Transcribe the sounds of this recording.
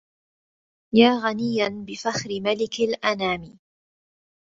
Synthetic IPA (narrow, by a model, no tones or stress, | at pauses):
jaːɣanɪjːanbɪfaxɾɪmalɪkalʔanaːmɪ